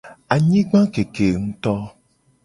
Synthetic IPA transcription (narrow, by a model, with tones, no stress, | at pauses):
a˨ɲĩ˦ɡ͡bã˦ke˨ke˨ŋũ˦t̪ɔ˦